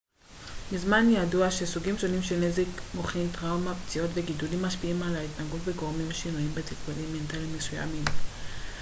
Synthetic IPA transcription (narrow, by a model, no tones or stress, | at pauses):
bizmanjaduaʃesuɡimʃo̞nimʃelne̞zekmoχintʁawmapt͡sio̞tve̞ɡidulimːaʃpiimalaitnaɡutveɡoʁmimʃinuimbet͡sifbolimːe̞ntalimːesuja̰mim